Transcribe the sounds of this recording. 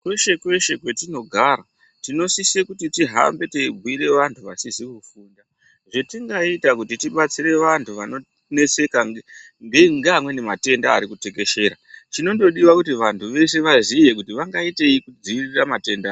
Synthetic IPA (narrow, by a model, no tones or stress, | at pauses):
kwe̞ʃe̞kwe̞ʃe̞kwe̞tino̞ɡʱaːɾa | tino̞sisekutitiɦa̰mbe̞teibʱwiɾe̞ʋantʰuʋasizikufuːnda | ʐetiŋɡaitakutitiɓat͡siɾe̞ʋantʰuʋano̞ | ne̞t͡se̞ka | ŋɡeŋɡamwe̞nemate̞ndaːɾikute̞ke̞ʃe̞ːɾat͡ʃino̞ndo̞ɗiwakutiʋantʰuʋe̞se̞ʋazije̞kutiʋaŋɡaite̞ikud͡ziiriramate̞ndaː